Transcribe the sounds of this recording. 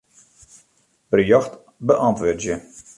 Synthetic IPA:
b̥ərjɔxt | bəʔɔntʋøːtjə

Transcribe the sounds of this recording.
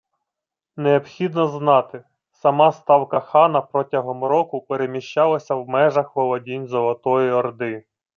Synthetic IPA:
neɔpxʲid̪nɔznɑt̪ɪ | sɐmɑst̪ɑwkɐxɑnɐpɾɔtʲɐɦɔmɾɔkʊpeɾemʲiʃt͡ʃɑlˠɐsʲɐwmɛʒɐxʋɔlˠɔdʲinʲzɔlˠɔt̪ɔjiɔrd̪ɪ

